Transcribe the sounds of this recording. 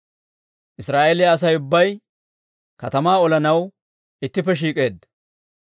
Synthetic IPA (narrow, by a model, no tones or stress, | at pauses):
ʔɪsɾaːʔeːlɪjɐɐs̬ɐjʊbːɐj | kɐt̪ɐmaːɔlɐnɐw | ɪt̪ːɪpːɛʃ̬iːkʼe̞ːd̪